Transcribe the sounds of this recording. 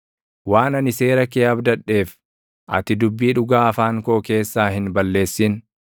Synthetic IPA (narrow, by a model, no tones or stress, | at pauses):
waːnɐnɪse̞ːɾɐkeːɐbd̪ɐᶑːe̞ːf | ʔɐ̰t̪ɪd̪ʊbːiːᶑʊɡaːɐfaːŋkoːke̞ːsːaːhɪnbɐlːe̞ːsːɪn